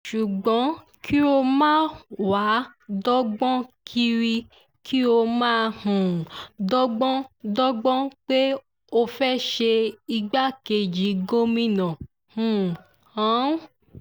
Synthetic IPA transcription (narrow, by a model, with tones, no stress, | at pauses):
ʃu˨ɡ͡bɔ̃˨˦ | kʰi˦o˧mãː˦˨wa˨˦dɔ˦ɡ͡bɔ̃˦kʰi˧ɾi˧ | kʰi˦o˧mãː˦˧hũ˨dɔ˦ɡ͡bɔ̃˦dɔ˦ɡ͡bɔ̃˦k͡pe˦ | o˧fɛ˦ʃe˧i˧ɡ͡ba˦ke˨d͡ʒi˨˦ɡo˦mĩ˦nã˨ | hũ˦˨ | ã˨˦